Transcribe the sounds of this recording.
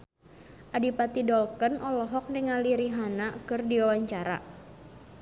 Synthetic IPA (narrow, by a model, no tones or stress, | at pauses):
ʔadipat̪idɔlkənʔɔlɔɦɔk̚nəŋaliɾiɦanakɨrdiwawaɲt͡ʃaɾa̰